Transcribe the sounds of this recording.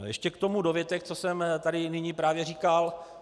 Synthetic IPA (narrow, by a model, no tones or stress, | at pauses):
jɛʃcɛkt̪o̞mudovjɛt̪ɛkt͡sosɛmt̪adɪnɪɲiːpɾaːvjɛriːkal